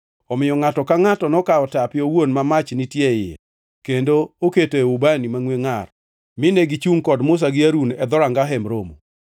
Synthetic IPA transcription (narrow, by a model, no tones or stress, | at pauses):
ɔmɪjɔŋatɔkaŋatɔnɔkaɔtapɪɔwonmamat͡ʃnitjeɪɛ̰ | kendooketoeubanimaŋweŋar | mɪneɡit͡ʃuŋkɔdmʊs̬aɡɪaɾunɛd̪ɔɾaŋɡaɦɛmɾomo̰